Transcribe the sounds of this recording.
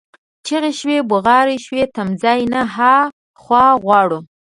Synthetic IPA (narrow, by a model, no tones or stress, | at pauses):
t͡ʃeɣeʃwebʊɣɑɾeʃwet̪amzɑjnaɦa | xwɑɣwɑɽu